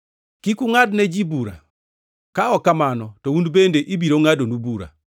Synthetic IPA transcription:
kikuŋadnɛd͡ʒibuɾa̰ | kaɔkamanɔtɔundbendeʔibiɾoŋadonubuɾa̰

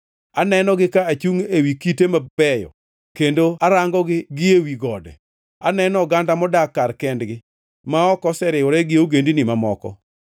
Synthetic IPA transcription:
anɛnɔɡɪkaat͡ʃuŋewikitemabɛjɔ̰ | kendoaɾaŋɡɔɡɪɡɪewiɡɔdɛ̰ | anɛnɔɡandamɔdakːarkɛndɡɪ | maɔkɔsɛɾɪoɾɛɡɪoɡendinɪmamɔkɔ̰

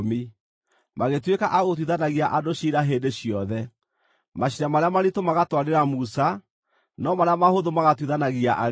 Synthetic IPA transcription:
mi | maɣetwekaʔaɣot̬wiðanaɣiaʔadoɕiɾaɦeːndeɕiɔðɛ | maɕiɾamaɾeamaɾitomaɣatwaɾeɾamusa | nɔmaɾeamahoðomaɣatwiðanaɣiaʔa

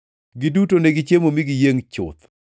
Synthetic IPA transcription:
ɡidutoneɡit͡ʃemomiɡijeŋt͡ʃʊ̰t̪

